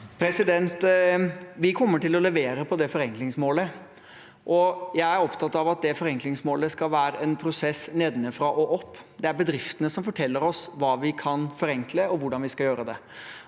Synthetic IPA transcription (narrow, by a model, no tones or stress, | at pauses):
pʰɾɛsɪd̪ɛnt̪ | ʋɪkʰɔmːəʈɪlɔlɛʋeːɾəpʰɔd̪ɛfɔɾɛŋklɪŋsmoːlə | ʔɔjæɪæɾɔpt̪ʰɑt̪ːɑʋɑt̪̚d̪ɛfɔɾɛŋklɪŋsmoːləskɑlʋæːɾəʔɛnpʰɾʊsɛsneːd̪nɪfɾɑʔɔʔɔpː | d̪ɛæɾbəd̪ɾɪft̪ənəsɔmfɔʈʰɛlːəɾɔsʋɑːʋɪkʰɑnfɔɾɛŋkləɔʋʊɖɑnʋɪskɑljøːɾəd̪ɛ